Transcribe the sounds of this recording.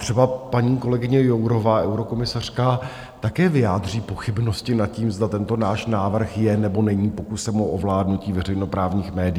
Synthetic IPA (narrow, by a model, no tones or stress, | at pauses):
t̪r̥ɛbapaɲiːko̞lɛɡɪɲɛjowɾo̞vaːʔɛwɾo̞ko̞mɪsar̝̥kaː | t̪akɛːvɪjaːd̪r̝iːpo̞xɪbno̞scɪnat̪̚ciːmzd̪at̪ɛnt̪o̞naːʃnaːvr̩xjɛnɛbo̞nɛɲiːpo̞kusɛmoʔovlaːdnuciːvɛrɛjno̞pɾaːvɲiːxmɛːdɪ